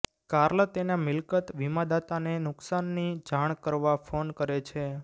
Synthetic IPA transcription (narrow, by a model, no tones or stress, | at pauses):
kaɾlət̪enamɪlkət̪ʋimad̪at̪anenʊksanːid͡ʒaɳ̃kəɾʋafonkəɾet͡ʃʰe